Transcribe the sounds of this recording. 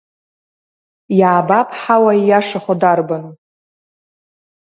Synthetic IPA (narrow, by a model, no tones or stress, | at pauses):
jaːbapʰʼħawajaʂaχodarban